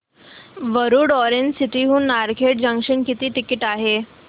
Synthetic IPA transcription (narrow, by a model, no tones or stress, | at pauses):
ʋəɾuːɽɔɾeɲd͡ʑsit̪iɦuːnːaɾkʰeʈ̚d͡ʑəŋkʂənkit̪iːʈikiʈaɦe